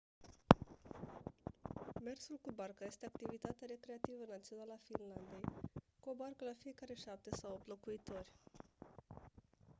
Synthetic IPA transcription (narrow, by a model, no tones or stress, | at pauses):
me̞rsulkubarkəje̞st̪e̞akt̪ivit̪at̪eaɾe̞kɾe̞at̪ivənat̪sio̞naləafinland̪ejkuobarkəlafije̞kaɾe̞ʃap̚t̪e̞sawop̚t̪lo̞kuit̪o̞rʲ